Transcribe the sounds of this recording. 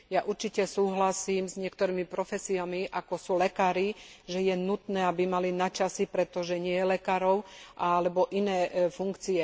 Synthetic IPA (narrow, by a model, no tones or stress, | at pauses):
jaʔuɾt͡ʃicɛsuːɦlasiːmzɲɪɛkt̪ɔɾiːmipɾɔfɛsiamiʔakɔsuːlɛkaːɾiʒɛjɛnut̪nɛːabimalinat͡ʃasipɾɛt̪ɔʒɛɲɪɛjɛlɛkaːɾɔʊʔaalɛbɔʔinɛːfuŋkt͡siɛ